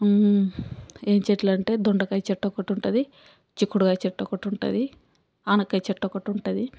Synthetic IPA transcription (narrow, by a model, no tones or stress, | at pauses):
e̞ːɲt͡ʃeʈlɐɳʈe̞ːd̪ɔɳɖɐkɐjt͡ʃɛʈːɔkɐʈuɳʈud̪i | t͡ʃikːuɽuɡaːt͡ʃɛʈːɔkɐʈuɳʈṵd̪i | aːnɐkːɐjt͡ʃɛʈːɔkɐʈuɳʈud̪i